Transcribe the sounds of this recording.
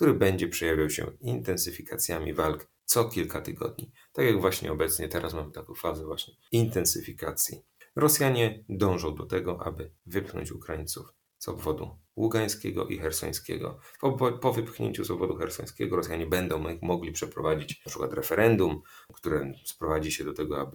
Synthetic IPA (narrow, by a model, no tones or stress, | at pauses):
k̚t̪uɾɘbɛɲd͡ʑɛpʂɛjavʲjawɕɛ̰int̪ɛnsɘfʲikat̪sʲjamʲḭvalk | t̪sɔkʲilkat̪ɘɡɔ̰d̪̚ɲi | t̪akʲjaɡvwaɕɲɛ̰ɔbɛt̪sɲɛt̪ɛɾʔasmamɘt̪akɔ̃w̃fazɛvwaɕɲɛ | int̪ɛnsɘfʲikat̪sʲji | ɾɔsʲjaɲɛd̪ɔ̃w̃ʐɔ̃w̃d̪ɔt̪ɛɡɔʔa̰bɘvɘpxnɔ̰ɲt͡ɕukɾajint̪suf | zɔ̰bvɔd̪ṵwuɡaj̃skʲɛɡɔ̰ʔḭxɛɾsɔ̰j̃skʲɛ̰ɡɔ̰pɔvɘpxɲʔḛɲt͡ɕuzɔbvɔd̪uxɛɾsɔj̃skʲɛ̰ɡɔɾɔsjaɲɛbɛnd̪ɔ̃w̃mɔɡlʲipʂɛpɾɔvad͡ʑit͡ɕpʂɘ̥kwa̰t̪ɾɛfɛɾʔɛnd̪umkt̪uɾɛspɾɔvad͡ʑiɕɛd̪ɔt̪ɛɡɔabɘ